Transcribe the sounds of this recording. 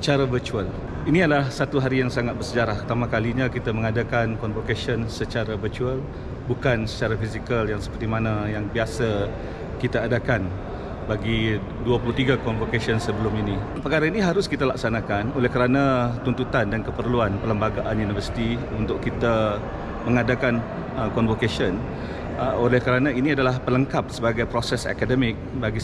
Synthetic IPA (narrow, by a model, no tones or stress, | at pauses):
sət͡ʃaɾavət͡ʃual | iniadlahsat̪uɦaɾijaŋsaŋat̪̚bərsəd͡ʒaɾahut̪amãkaliɲãkit̪aməŋadakankɔnvokesiənsət͡ʃaɾavət͡ʃuəl | bukansə̥t͡ʃaɾafisikaljaŋsə̥pərt̪imanajaŋbiasa | kit̪aːdakan | baɡi | duapuluht̪iɡakɔnvokesiənsəbəlʊminipəkaɾainiɦaɾʊskit̪alaksanãkanolɛhkəɾanãt̪unt̪ut̪andankəpərluanpələmbaɡaʔanjunivərsi̥t̪iunt̪ʊkkit̪a | mə̃ŋadakan | əkɔnvokeʃən | olɛhkəɾanãiniadalahpələŋkap̚səbaɡajpɾosɛsa̰kadəmɪk̚baɡi